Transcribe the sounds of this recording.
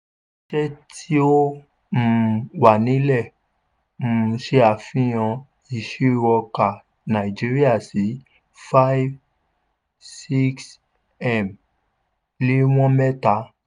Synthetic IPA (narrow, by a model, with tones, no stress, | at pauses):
ʃɛ˦tʰi˦o˦ | m̩̃˨wa˨nĩ˨˦lɛ˦˨ | m̩˨˧˦ʃe˦a˨fĩ˦j̃ɔ̃˧ | i˨ʃi˦wɔ˧ka˨ | nã˨i˨d͡ʒi˦ɾi˦a˦˨si˨˦ | fa˦i˦v | si˦ks | ɛ˦˨m | le˨˦w̃ɔ̃˦mɛ˦ta˨˦